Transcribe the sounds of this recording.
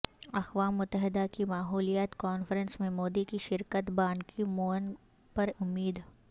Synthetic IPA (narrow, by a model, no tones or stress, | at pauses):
ɐxʋaːmːʊt̪ːəɦɪd̪akimaːɦuːlijət̪kɔːnfɾə̃nsmẽmoːd̪ikiʃɪɾkət̪bãːnkʰimoːn | pɐɾʊmːiːd̪